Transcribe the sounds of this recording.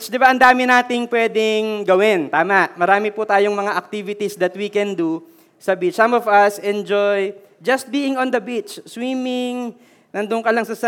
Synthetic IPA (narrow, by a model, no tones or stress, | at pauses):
t͡ʃd̪ɪbaʔɐnd̪aːmɪnaːt̪ɪŋpwɛːd̪ɪŋɡɐwɪnt̪aːmɐʔmɐɾaːmɪpʊt̪aːjoŋmɐŋaʔɐk̚t̪ivɪt̪isd̪ɐt̪wikɛnd̪u | sɐbit͡ʃsɐmɔvɐsɛnd͡ʒoj | d͡ʒɐst̪̚biːɪŋõnd̪ɐbit͡ʃswiːmɪŋ | nɐnd̪ʊŋkɐlɐŋsɐsɐ